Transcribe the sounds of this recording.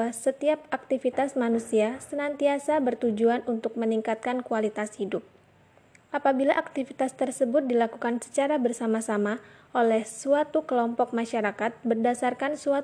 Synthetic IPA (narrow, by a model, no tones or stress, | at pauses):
asət̪iap̚ak̚t̪ifit̪asmanusiasənant̪iasabərt̪ud͡ʒuanunt̪ʊk̚məniŋkat̪̚kankualit̪ashidʊp̚ | ʔapabilaʔak̚t̪ifit̪ast̪ərsəbʊt̪̚dilakukansə̥t͡ʃaɾabərsamasamaʔolɛhsuat̪ukəlɔmpɔk̚maʃaɾakat̪̚bərdasarkansua